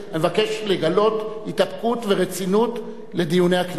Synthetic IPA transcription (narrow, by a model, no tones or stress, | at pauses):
amevake̞ʃleɡalo̞thitapkutveʁet͡sinut | le̞d̪ijune̞jhakn